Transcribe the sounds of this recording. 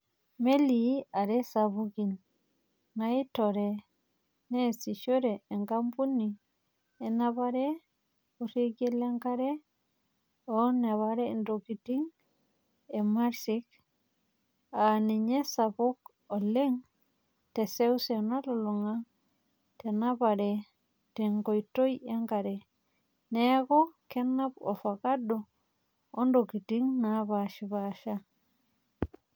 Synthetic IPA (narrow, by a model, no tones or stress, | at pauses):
meliaɾesabuɡin | naitoɾe | nesiʃoɾeːŋɡampuni | enaβaɾe | uɾiɡeleŋkaɾe | onaβaɾendokitiŋ | emaɾsik | aniɲesapuk | oleŋ | tesewsenaloluŋa | tenabaɾe | teŋkojtojaŋɡaɾe | nekokenːapo̰fakado | ondoɡitiŋnabaʃiβaʃa